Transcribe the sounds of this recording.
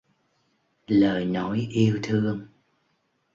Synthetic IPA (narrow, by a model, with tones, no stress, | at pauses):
ləː˨˩jnɔ˨˦jʔi˧əwt̪ʰɨ˧əŋ